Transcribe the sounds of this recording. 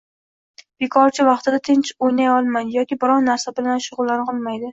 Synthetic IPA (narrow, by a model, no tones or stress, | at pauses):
b̥ekʰɒɾt͡ʃʰɪvɑχt̪ɪd̪at̪ʰɪnt͡ʃojnajɒlˠmanjɒkʲɪbɪɾɒnnaɾsabɪlanʃʊʁʊlˠːanqʰɒlˠmajd̪ɪ